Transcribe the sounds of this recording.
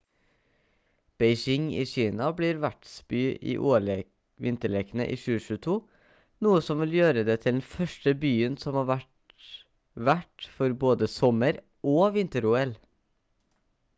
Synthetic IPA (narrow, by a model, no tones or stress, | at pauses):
b̥ɛɪʃɪŋiːçiːnɑbliːɾʋæʈsbyːʔḭːʔoːɭ | ʋɪnt̪əɭɛːkənə̰ʔiːʃʉːəʃʉːt̪ʰuː | nuːəsɔmʋɪljøːɾəd̪eːt̪ʰɪld̪ɛnfœʃʈəbyːənsɔmhɑːʋæʈ | ʋæʈfɔɾboːd̪əsɔməɾ | ʔoːʋɪnt̪əɾʊɛl